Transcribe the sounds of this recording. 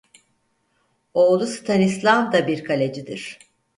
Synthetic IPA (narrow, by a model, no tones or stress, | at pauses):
o̞ːlˠusɯ̥t̪ʰanislˠamd̪abiɾkʰalʲed͡ʒid̪iɾ̝̥